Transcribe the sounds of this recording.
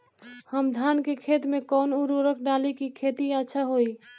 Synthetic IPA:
həmd̪ʱankekʰet̪mekɔːnuɾoɾəkʰɖalikikʰet̪iətːʃʰaɦoi

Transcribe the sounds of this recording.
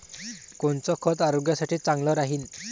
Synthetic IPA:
kɔnt͡sɔkʰɔt̪aɾoɡjasaʈʰiːt͡saŋlɔɾaɦin

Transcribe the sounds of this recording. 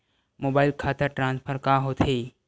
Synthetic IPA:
moːbaːɪlkʰaːt̪əɾʈɾãːnspʰəɾkaɦot̪ʰeː

